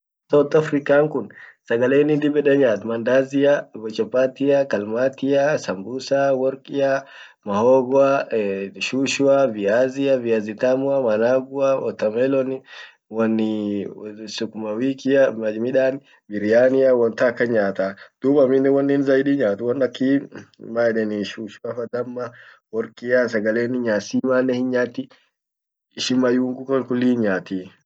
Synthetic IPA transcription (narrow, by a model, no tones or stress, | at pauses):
sɐwt̪ːɐfɾikaːŋkʊnsɐɡɐleːnːɪd̪ɪbɛɗɛɲaːt̪mɐnd̪aːzɪabɔt͡ʃɔpat̪ɪakɐlmat̪ɪjasɐmbusawɔɾkʼɪja | mɐhɔːɡɔa | ʃuːʃʊaviazɪjaviazit̪amʊamɐnaɡʊaɔt̪ːɐmɛlɔnɪ | wɔnː | sʊkʊmɐwiːkɪamɐmɪᶑan | bɪɾɪjaːnɪjawɔnt̪akːɐɲaːt̪ad̪̥uːbɐmɪnːɛwɔnːinzɐjdiɲaːt̪ɪwɔnɐkːimaɛɗɛnɪʃuʃuafɐd̪ɐmːa | wɔɾkʼɪjasɐɡɐleːnɪɲaːsimanːɛhɪɲaːt̪ːɪː | ʃɪmɐjuːŋɡukɔnkʊlːiːɲaːt̪i